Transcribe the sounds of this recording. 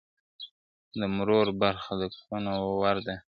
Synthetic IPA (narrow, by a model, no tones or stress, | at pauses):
d̪əmɾoɾbaɾxad̪əkxunowwaɾd̪a